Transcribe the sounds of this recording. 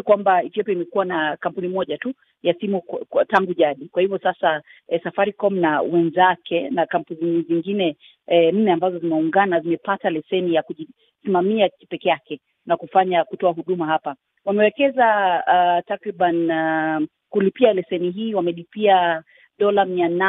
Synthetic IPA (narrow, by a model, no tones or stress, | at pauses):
kwambaifiɔpɛimɛkuwanakam̩punimɔʄatu | jasimutaŋɡuʄaɗikwahivɔsasa | ɛsafaɾikɔm̩nawɛnzakʰɛnakam̩puniziŋɡinɛ | m̩nɛambazɔzimɛuŋɡanazimɛpatalɛsɛnijakuʄi | simamiakipɛkɛakɛ | nakufaɲakutɔaɦuɗumaɦapa | wamɛwɛkɛza | takɾiɓan | kulipialɛsɛniɦiːwamɛlipia | ɗɔlamiana